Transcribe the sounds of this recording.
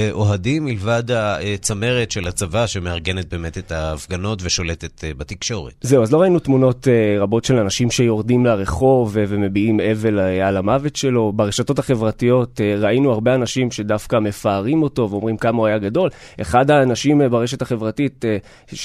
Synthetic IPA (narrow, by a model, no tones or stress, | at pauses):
ʔoɦadimːilvadhaet͡same̞ʁetʃelat͡savaʃemeaʁɡenet̚be̞ːmetetaːfɡano̞tveʃo̞let̪etbatikʃo̞ʁeze̞uazlo̞ʁainutmuno̞teʁabo̞tʃe̞lanaʃimʃe̞jo̞ʁdimleʁe̞χo̞vve̞me̞biime̞ve̞lalamavetʃe̞lo̞baʁeʃato̞taχe̞vʁatijo̞tʁainuaʁbeanaʃimʃe̞dafkame̞faːʁimo̞to̞veo̞mʁimkamauajaɡado̞l | ʔeχadhaːnaʃimbaʁe̞ʃe̞taχe̞vʁatit